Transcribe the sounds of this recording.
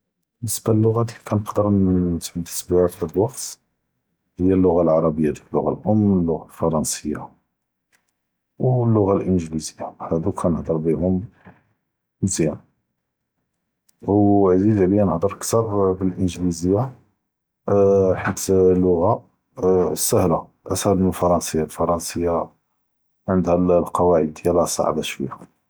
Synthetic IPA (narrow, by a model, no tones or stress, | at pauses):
bənːəsb̥ælːʊɣæd̪ikænəqd̪əɾnt̪ʕət̪ːə̥sbiʕat̪ħad̪wɑqt̪ | həjːælːʊɣalʕɑɾˤɑbəjːad̪flːʊɣa̰lʔʊmːəlːʊɣalfɑɾˤɑnsəjːa̰ | wlːʊɣalʔənʒlizəjːahæd̪ukʰænəħd̪ˤəɾˤbihʊm | nzjæn | wʕzid̪ʕlijænəhd̪ˤəɾkt̪əbbəlʔənʒlizəjːa | ħət̪lːʊɣa | səhla | ʔæshælməlfɑɾˤɑnsəjːalfɑɾˤɑnsəjːa | ʕənd̪hællqɑwaʕəd̪əjælæsˤɑ̰ʕ̰bæʃfḭhæ